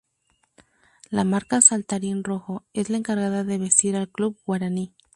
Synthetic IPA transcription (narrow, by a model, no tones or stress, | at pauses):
lamaɾkasalt̪aɾinro̞xo̞e̞zlaeŋkaɾɣaðaðe̞βe̞st̪iɾalkluβb̚ɡwaɾani